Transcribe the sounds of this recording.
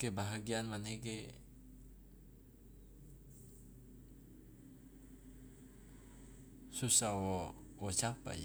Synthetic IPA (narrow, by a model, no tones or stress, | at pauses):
kebaɦaɡianmaneɡe | susawɔwɔt͡ʃapa̰j